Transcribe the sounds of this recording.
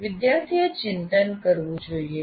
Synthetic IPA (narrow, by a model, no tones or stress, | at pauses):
ʋɪd̪jaɾt̪ʰijet͡ʃɪnt̪ənkəɾʋũd͡ʒoie